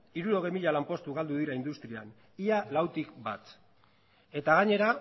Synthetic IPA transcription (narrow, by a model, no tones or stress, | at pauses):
iɾuɾo̞ɣejmiʎalampo̞st̪uɣald̪uðiɾaind̪ust̪ɾian | ialawt̪ikbat̪ | e̞t̪aɣ̞aɲe̞ɾa